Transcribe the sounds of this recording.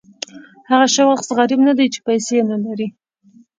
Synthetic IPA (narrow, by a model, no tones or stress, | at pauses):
haɣaʃawaχt̪zɣaɾɪbnad̪ajt͡ʃe̥pajsenalaɾi